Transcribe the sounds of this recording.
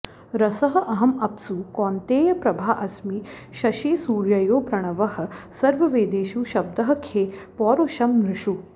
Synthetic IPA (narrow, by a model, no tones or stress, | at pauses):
ɾɐsɐɦɐ̆ʔɐɦɐmɐp̚t͡sukɔːnt̪eːjɐpɾɐbʱaːʔɐsmiːʃɐʃeːsuːɾjɐjoːpɾɐɳ̃ɐʋɐɦɐ̆sɐɾʋɐʋeːd̪eːʃuːʃɐb̚d̪ɐɦɐ̆kʰeːpɔːɾoːʃɐmnɾɪʂu